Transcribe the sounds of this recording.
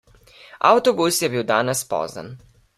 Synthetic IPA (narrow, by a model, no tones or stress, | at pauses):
a̰wt̪ɔbusjɛbiːwd̪aːnɛspɔ̰ːza̰n